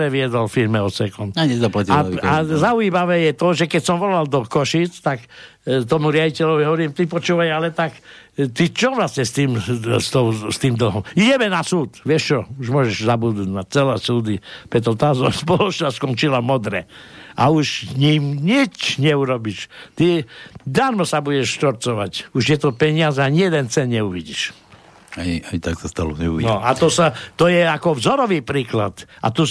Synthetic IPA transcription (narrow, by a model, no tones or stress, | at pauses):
ɛʋɪɛd̪ɔlfiɾmɛɔt̪sɛkɔnaɲɛzaplaiaazauiːmaʋɛːjɛt̪ɔʒɛkɛcsɔmʋɔlald̪ɔkɔʃit͡st̪ak | t̪ɔmuɾɪaɟicɛlɔʋiɦɔʋɔɾiːmt̪ipɔt͡ʃuːʋajalɛt̪ak | t̪it͡ʃɔʋlasɲɛst̪iːmst̪ɔʊst̪iːmd̪l̩ˠɦɔmiɟɛmɛnasuːt̪ʋɪɛʃt͡ʃɔuʒmʊɔʒɛʒzabud̪uɟnat͡sɛlɛːsuːd̪ipɾɛt̪ɔt̪aːzɔspɔlɔt͡ʃnaskɔnt͡ʃilamɔd̪ɾɛ̰ʔauʃɲimɲit͡ʃɲɛuɾɔbiʃt̪id̪aɾmɔsabuɟɛʃʃt̪ɔɾt͡sɔʋacuʃjɛt̪ɔpɛɲɪazɛaɲɪɛd̪ɛnt͡sɛnɲɛuʋiɟiʃ | aɲiaɲit̪aksast̪a̰lɔ̰ɲɛṵʋinɔat̪ɔsat̪ɔjɛakɔvzɔɾɔʋiːpɾiːklat̪ʔa̰t̪u